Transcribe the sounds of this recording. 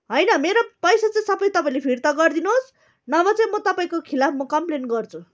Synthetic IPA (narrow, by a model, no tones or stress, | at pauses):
ɦʌjnʌmeɾopʌjsat͡sʌĩsʌbʌjt̪ʌpaĩlepʰirt̪ʌɡʌrd̪inuɦos | nʌbʌt͡sʌĩmʌt̪ʌpaĩkokʰilapʰmʌkʌmplenɡʌrt͡sʰu